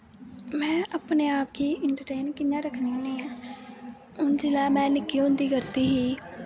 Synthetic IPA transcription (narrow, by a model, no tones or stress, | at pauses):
mɛ̃ːʔəpneːaːpkiːʔɪɳʈəɾʈeːnkɪnːãːɾəkʰnĩːnĩːãː | ʊnd͡ʒɪlaːmɛ̃ːnɪkːiːɦõnd̪iːkəɾt̪iːɦiː